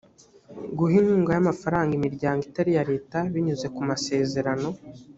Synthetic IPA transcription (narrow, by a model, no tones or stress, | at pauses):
ɡuɦiŋhuːŋɡajamafaɾaːŋɡimiɾɟaːŋɡitaɾijaɾe̞ːtaβiɲuze̞kumase̞ːze̞ɾano̞